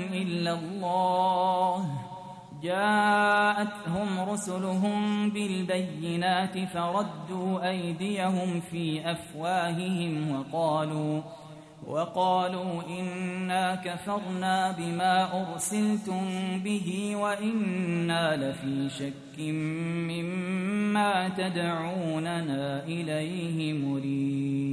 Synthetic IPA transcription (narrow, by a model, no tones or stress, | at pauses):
ʔɪlːalˤːɑːh | d͡ʒaːʔat̪hʊmɾʊsʊlʊɦʊmbɪlbajːɪnaːt̪ɪfɑɾˤɑd̪ːuːʔajd̪ɪjaɦʊmfiːʔafwaːhɪhɪmwɑqɑːluː | wʔɑqɑːluːʔɪnːaːkafɑɾˤnaːbɪmaːʔʊɾsɪlt̪ʊmbɪɦiːwaʔɪnːaːlafiːʃakːɪmːɪmːaːt̪ad̪ʕuːnanaːʔɪlajhɪmʊɾiːd̪